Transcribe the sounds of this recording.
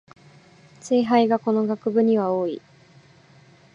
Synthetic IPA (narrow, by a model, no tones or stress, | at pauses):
t͡seːɦaiɡako̞no̞ɡakɯ̟bɯ̟ɲ̟iβaoːḭ